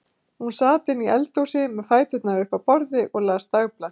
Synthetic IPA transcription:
hunsaːt̪ɪniɛlt̪owsɪmɛðfaːjt̪ʏt̪naʏhpapɔɾðɪʔɔɣlaːst̪aɣpla

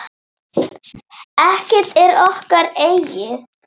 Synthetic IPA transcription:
ɛhcɪt̪ɛɾɔhkaɾeːjjɪð

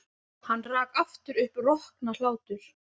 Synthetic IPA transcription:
hanːraːkaft̪ʏɾʏhprɔhknalaːwt̪ʏɾ̥

